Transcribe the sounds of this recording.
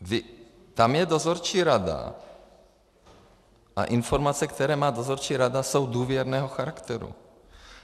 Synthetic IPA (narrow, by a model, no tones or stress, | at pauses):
vɪ | t̪amjɛd̪ozoɾt͡ʃiːɾad̪a̰ | ʔa̰ʔinfoɾmat͡sɛkt̪ɛɾɛːmaːd̪ozoɾt͡ʃiːɾad̪aso̞wd̪uːvjɛɾnɛːɦoxaɾakt̪ɛɾṵ